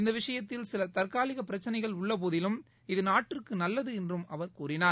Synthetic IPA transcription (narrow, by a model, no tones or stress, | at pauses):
ɪnd̪ɐʋɪʂɐjɐt̪ːɪlsɪlɐt̪ɐrkaːlɪɣɐpːɪɾɐt͡ʃːɐnɐɪɣɐɭʊɭːɐp̬oːðɪlɯm | ɪðɯnaːʈːrɪrkɯnɐlːɐðɯɛndrɯmɐʋɐɾkuːɾɪnaː